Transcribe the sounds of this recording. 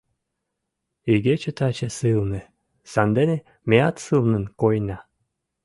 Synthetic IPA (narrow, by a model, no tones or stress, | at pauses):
iɡet͡ɕə̆t̪ɑt͡ɕesɨlnĕ | sɑnd̪ene | meɑt̪sɨlnə̆nkojnɑ